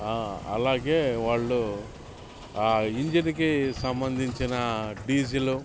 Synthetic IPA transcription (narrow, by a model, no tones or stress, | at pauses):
aːɐ̰laːɡeːʋaːɭːu | iɲd͡ʒinikisɐmbɐnd̪ʱiɲt͡ʃinɐɖiːd͡ʒilu